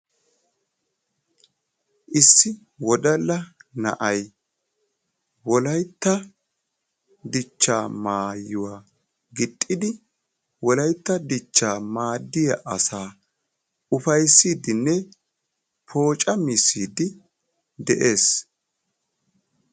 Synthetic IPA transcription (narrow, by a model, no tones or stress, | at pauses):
ʔɪsːɪ | wɔd̪ɐlːɐnɐ̰ʔɐj | wɔlɐjt̪ːɐ | d̪ɪt͡ʃːaːmaːjːʊwaː | ɡɪt̪ʼːɪd̪ɪ | wɔlɐjt̪ːɐd̪ɪt͡ʃːaːmaːd̪ːɪjɐʔɐsaː | ʊfɐjsːiːd̪ɪnːɛ | pʰo̞ːt͡ʃʼɐmɪsːiːd̪ɪ | d̪ɛʔe̞ːs